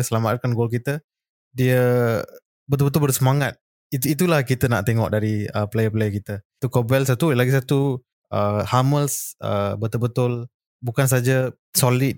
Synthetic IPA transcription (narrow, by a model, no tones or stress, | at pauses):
səlamat̪̚kanɡolk̬it̪ə | diə | bət̪ʊlbət̪ʊlbərsəmaŋat̪̚ | it̪it̪̬ulahkit̪əna̰ʔt̪eŋɔ̰ʔdaɾiəplejəplejəkit̪ət̪ukobɛls̬at̪ulaɡis̬at̪u | ʔəhaməlsʔə̰bət̪ʊlbət̪ʊl | bukans̬ad͡ʒa | solit̚